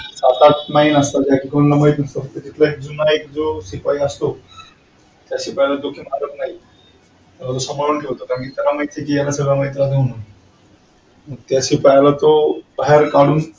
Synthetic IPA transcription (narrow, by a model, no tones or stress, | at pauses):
sat̪at̪mainast̪ad͡ʑakikonlaməjt̪səɾt̪əd͡ʑit̪ʰlaek̚d͡zunaek̚d͡zosipaiəst̪o | t̪jaɕipajlad̪okʰimad̪ət̪̚naɦi | t̪jalat̪osəmaɭənkeɭt̪okaɾmkit̪jalamajt̪ekijalasəɡɭamait̪jalad̪ʱono | məɡ̚t̪jaɕipajlat̪obaɦeɾkaɽuːn